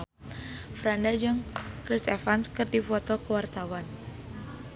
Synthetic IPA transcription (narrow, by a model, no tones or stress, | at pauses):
fɾandad͡ʒɨŋkɾisɛfanskɨrdifɔt̪ɔkəwart̪awan